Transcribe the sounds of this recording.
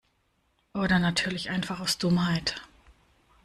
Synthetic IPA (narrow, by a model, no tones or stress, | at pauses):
ʔoːɾɐnatʰyːɐlɪçʔaɪnfaχaʊsd̥ʊmhaɪt